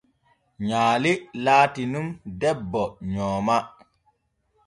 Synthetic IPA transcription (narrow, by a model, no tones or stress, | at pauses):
ɲaːlilaːtinumdɛbːɔɲɔːma